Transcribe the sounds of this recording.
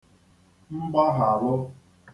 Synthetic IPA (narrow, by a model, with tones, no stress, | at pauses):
ŋ͡m̩˦ɡ͡ba˦ɦa˨ɾʊ˦